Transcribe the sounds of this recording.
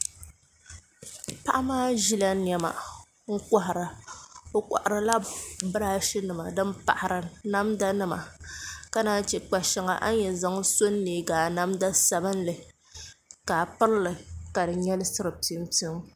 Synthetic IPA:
pa˦ʔa˦maː˦ʒi˦la˦n˦ɛ˨ma̰˨ | ŋ̩˦ka˨ɦɾa˨o˨˦kʷa̰˨ʔa˨ɾɨ˨la˦bɨ˦ɾaː˦ʃi˦nɨ˨ma˨dɨ˦mpa̰˨ʔa˨ɾɨ˨na˦mda˦nɨ˨ma̰˨ka˦naː˦t͡ʃɛ˨k͡pa˨ʃɪ˨ŋa̰˨ʔa̰˦jɛ˨za˦ŋso˦nːeː˨˦ɡaː˨na˦mda˦sa˨bɨ˦n˦lɨ˨ | kaː˨pɨ˦ɾlɨ˨ka˨dɨ˨ɲɛ˦lɨ˦sɨ˦ɾɨ˨ti˦mtɨ˦m

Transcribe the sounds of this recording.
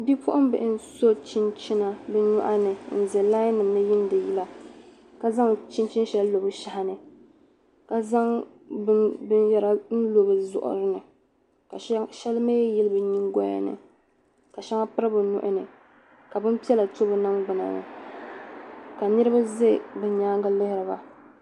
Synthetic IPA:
bi˦pʊ˦ʔʊ˦m˦bɛ˨ʔɪ˦n˦so˦t͡ʃi˦nt͡ʃi˦na˦bɨ˦ɲu˦ʔa˦nɨ˨n̩˨zɛ˨laː˦jnɨ˨m˦nɨ˦jɪ˦n˦dɨ˨ji˦la˦ | ka˦za˦ŋt͡ʃi˦t͡ʃi˦n˦ʃɛ˦llo˨bɨ˦ʃa˨ha˦nɨ˨ | ka˨za˦ŋ | bɨ˦bɨ˦njɛ˦ɾa˦n̩˦lo˨bɨ˨zʊ̰˨ʔʊ̰˨ɾɨ˦nɨ˨ | ka˨˦ʃɛ˦lme˦jɛ˦lɨ˦bɨ˨ɲi˦ŋɡɔ˦a̰˨nɨ̰˨ | ka˨ʃa˦ŋa˦pɨ˦ɾa˦bɨ˨nʊ̰˨ʔʊ˦nɨ˨ | ka˨bɨ˦m˦pi˦ɛ˦la˨to˦bɨ˨na˦mɡ͡bɨ˨na̰˨nɨ̰˨ | ka˨nɨ˦ɾɨ˦ba˦ze˦˨bɨ˦ɲaː˦ŋɡa˦lɪ˦hɪ˦ɾɨ˨ba̰˨

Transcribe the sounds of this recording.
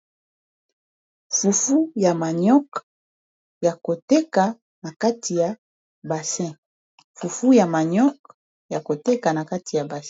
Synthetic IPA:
fu˨fu˦ja˨ma˨ɲɔ˦k | ja˨ko˨tɛ˦ka˨ | na˨ka˦tʰi˨ja˨ | ba˨sɛ̃˦ | fu˨fu˦ja˨ma˨ɲɔ˦k̚ | ja˨ko˨tɛ˦ka˨na˨ka˦ti˨ja˨ba˨s

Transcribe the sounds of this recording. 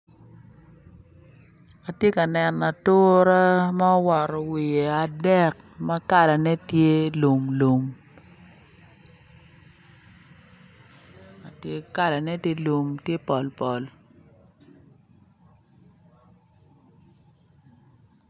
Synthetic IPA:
a˨tje˦ka˨nɛ˨na˨tʊ˦ɾa˦ma˦ɔ˦wɔ˨ɾɔ˨wɪ˨e˨a˨dɛ˦˨k | ma˦ka˦˨la˨nɛ˦tje˦lo˨mlo˨m | a˨tje˦ka˦la˨nɛ˦tje˦lo˨mtje˦pɔ˨lpɔ˨l

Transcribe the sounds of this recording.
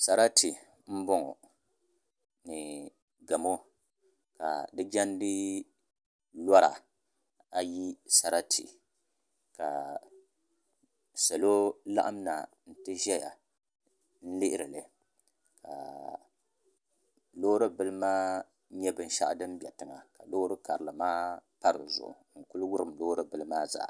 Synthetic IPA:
sa˨ɾa˦ti˨ | m̩˦bɔ˦ŋɔ̰˨ | nɨ˨ | ɡa˨mo˦ | ka̰˨dɨ˦d͡ʒa˦n˦dɨ˦ | la˦ɾa̰˨ | a˨ji˦sa˨ɾa˦tʰḭ˨ | ka˨ | sa˨lo˦la̰˦ʔa˦m˦na˨ | n̩˨tɨ˦ʒɛ˦ja̰˨ | n̩˦lɪ˦ʔɪ˦ɾɨ˨lɨ˨ | ka̰˨ | loː˦ɾɨ˦bɨ˦lɨ˦maː˦ | ɲɛ˦bɨ˨n˦ʃa̰˦ʔdɨ˦m˦bɛ˨tɨ˨ŋa˨ka˨lo˦ɾɨ˦ka˨ɾɨ˨lɨ˨maː˦pa˦ɾɨ̰˨zʊ̰˨ʔʊ̰˨ŋ̩˨kʊ˦lwʊ˦ɾɨ˨mlo˦ɾɨ˦bɨ˦lɨ˦maː˦za̰˦˨

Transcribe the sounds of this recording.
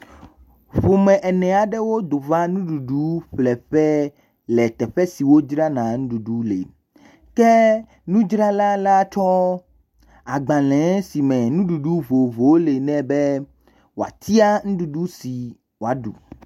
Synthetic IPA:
ɸo˨mɛ̃˨ʔɛ˨nɛ̃˨a˨ɖɛ˦wo˦d̪o˨va˦nũ˦ɖu˨ɖu˦ɸlɛ˨ɸɛ˦ | lɛ˨t̪ɛ˨ɸɛ˦si˨wo˦d͡ʒɾa˦nã˨ŋũ˦ɖu˨ɖu˦lḛ˨ | kɛ˦ | nũ˦d͡ʒɾa˦la˦la˦t͡ʃɔ˦ | a˨ɡ͡bã˨lɛ̃˨˦si˨mɛ̃˨nũ˦ɖu˨ɖu˦vo˨vo˨˦le˨nɛ̃˦bɛ˦ | wo˨a̰˨t̪ʰi˦a˦ŋũ˦ɖu˨ɖu˦si˨ | wo˨a˨ɖṵ˨

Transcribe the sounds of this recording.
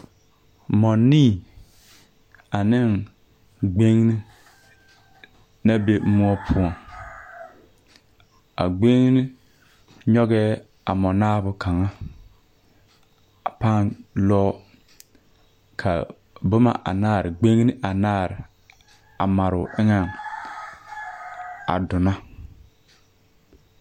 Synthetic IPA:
mɔ˨nːiː˦˨ | a˨nɪ˦˨ŋ | ɡ͡be˦ŋ˦ni˦ | na˦be˦mu˦ɔ˦pʰʊ˦ɔ˨ŋ | a̰˨ɡ͡be˦ŋ˦nɪ˦ | ɲɔ˦ɡɛː˦ | a̰˨mɔ˨naː˦bʊ˦kʰa˨ŋa˦ | a˨paː˦nlɔː˦ | kʰa̰˨ | bʊ˦ma̰˨ʔa̰˨naː˦˨ɾɪ˨ɡ͡be˦ŋ˦ni˦ʔa˨naː˦˨ɾɪ˨ | a̰˨ma˨ɾʊ˨ʔɪ˦ŋɛ˦˨ŋ | a̰˨dʊ˨na˦

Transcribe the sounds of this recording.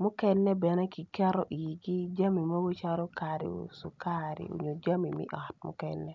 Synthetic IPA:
mʊ˦kɛ˦nːɛ˦bɛ˨nɛ˦ki˨kɛ˦ɾɔ˦ʔi˨ɡi˦d͡ʒa˦mi˨ma˦bo˦t͡ʃa˦ɾo˦ka˨ɾḭ˨o̰˨su˨ka˦ɾḭ˨o̰˨ɲo˨d͡ʒa˦mi˨mɪ̰˦ʔɔ˨t̚mʊ̰˦kɛ˦nːɛ˦

